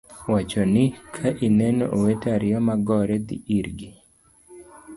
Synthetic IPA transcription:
wat͡ʃɔnɪkʰaʔinɛnɔ̰ʔowetaɾɪjɔmaɡɔɾɛd̪ḭʔiɾɡi

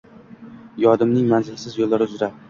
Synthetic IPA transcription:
jɒd̪ɪmnɪŋmanzɪlsɪzjolːaɾɪʊzɾa

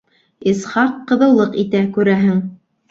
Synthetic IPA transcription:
isχɑqːɤ̆ðɤ̆wlˠɤqit̪ækʉɾæɦɘŋ

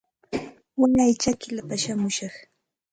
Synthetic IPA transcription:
waɲajt͡ʃakɪlapaʃamʊʃɑχ

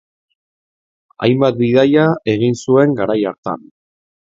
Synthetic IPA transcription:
a̰jmbat̪̚biðajae̞ɣ̞insue̞ŋɡaɾajaɾt̪a̰n

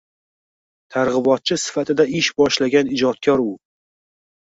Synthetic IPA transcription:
t̪ʰaɾʁɨbɒt̪̚t͡ʃʰɪsɪ̥fat̪ʰɪd̪aɪʃbɒʃlaɡʲanɪd͡ʒɒt̪̚kʰʲɒɾʊ

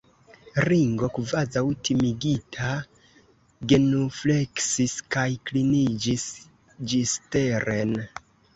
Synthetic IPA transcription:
ɾiŋɡo̞kvazawtimiɡitʰa | ɡe̞nufle̞ksiskajklinid͡ʒis | d͡ʒiste̞ɾʔen

